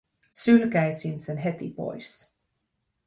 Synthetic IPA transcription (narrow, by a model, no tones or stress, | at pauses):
sylkæjsinsenɦet̪ḭpo̰js